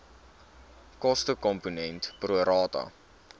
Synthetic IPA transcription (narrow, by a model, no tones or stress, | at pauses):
kɔstəkɔmpunɛntpruəɾɑːtɐ̰